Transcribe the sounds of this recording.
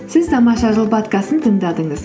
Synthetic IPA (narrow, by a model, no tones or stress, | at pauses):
sɪzt̪ʰɑmɑʃɑʒəlˠbɑt̪kɑsənt̪ʰəŋd̪ɑd̪əɴəz